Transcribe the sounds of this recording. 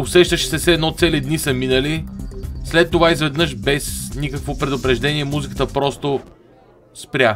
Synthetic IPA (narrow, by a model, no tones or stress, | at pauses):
osɛʃt̪əʃɛ̥sɛfsɛd̪nɔt̪sɛlid̪nisəminəli | slɛt̪ːovaizvɛd̪nɤʃbɛsnikəkvopɾɛd̪ʊpɾɛʒd̪ɛniɛmuzikə̥t̪əpɾɔst̪o | spɾʲja